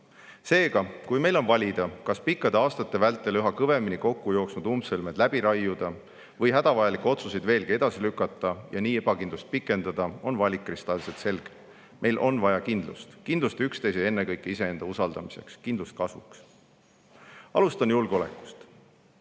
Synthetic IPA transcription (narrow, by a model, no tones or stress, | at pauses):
se̞ːɡ̥ɑkujme̞jlo̞nvɑlʲid̪̥ɑkɑspikːˑɑd̪eɑːst̪ɑt̪ːˑe̞vælt̪ˑːelyɦɑkɤve̞miniko̞kːujo̞ːksnud̪umsɤlmed̪̥læb̥iɾɑjːud̪̥ɑ | vɤjɦæd̪̥ɑvɑjɑlikːˑeo̞t̪susejd̪ve̞ːlɡie̞d̪̥ɑsilykːˑɑt̪ːˑɑjɑniːeb̥ɑkind̪lust̪̚pikːˑe̞nd̪ɑd̪̥ɑo̞nvɑlʲikːˑrist̪ɑlset̪se̞lɡ̥e̥ | mʔe̞jlʔo̞nvɑjɑkind̪̥lṵst̪kind̪lust̪ykst̪e̞jsee̞nːekɤjkːˑeise̞e̞nd̪ɑusɑld̪ɑmise̞̰kskind̪lust̪̚kɑsvṵks | ɑ̰lust̪ɑnjulɡ̥eo̞lekːˑu̥st̪